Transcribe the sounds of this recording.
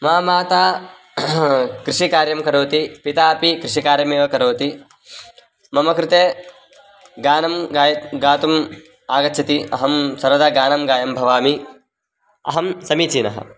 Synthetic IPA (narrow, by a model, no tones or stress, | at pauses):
maːmaːt̪aː | kɾɪʂikaːɾjɐmkɐɾoːt̪ipit̪aːpikɾɪʂikaːɾjɐmeːʋɐkɐɾoːt̪i | mɐmɐkɾɪt̪eː | ɡaːnɐmɡajɐɡaːt̪um | aːɡɐt̪ːt͡ʃʰɐt̪iʔɐɦɐmsɐɾɐd̪ɐɡaːnɐmɡaːjɐmbʱɐʋaːmi | ɐ̰ɦɐmsɐmit͡ʃiːnɐ̰ɦɐ̰